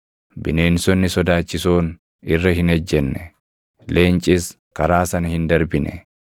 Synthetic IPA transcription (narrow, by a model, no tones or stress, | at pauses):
bɪne̞ːnsɔnːɪsɔd̪aːt͡ʃːɪsoːn | ɪrːɐɦɪnɛd͡ʒːɛnːɛ | le̞ːnt͡ʃʼɪs | kɐɾaːsɐnɐhɪnd̪ɐɾbɪnɛ̰